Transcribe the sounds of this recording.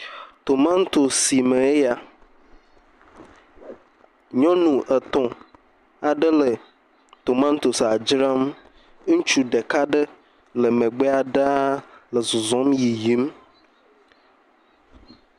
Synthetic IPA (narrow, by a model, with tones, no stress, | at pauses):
t̪o˨mã˦n˦t̪o˨si˨me˨e˦ja˨ | ɲɔ̃˦nũ˨ʔə˨t̪ɔ̃˨ | a˨ɖə˦lə˨ | t̪o˨mã˦n˦t̪o˨sa˨d͡ʒɾa˦m˦ | ŋũ˦t͡ʃu˦ɖe˨ka˦ɖə˦ | lə˨mẽ˨ɡ͡be˦a˨ɖa˦lə˨zɔ˨zɔ̃˦mji˨ji˦m